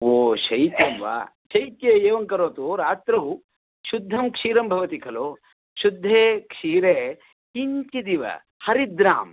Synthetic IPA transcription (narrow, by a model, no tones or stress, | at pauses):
oːʃɐjt̪jɐmʋa̰ʃɐjt̪jeːeːʋɐŋkɐɾoːt̪uɾaːt̪ɾɐw | ʃud̪ʱːɐmkʂiːɾɐmbʱɐʋɐt̪ikʰɐloː | ʃud̪ʱːeːkʂiːɾeː | iɲt͡ʃid̪iʋɐ̰ | hɐɾid̪ɾaːm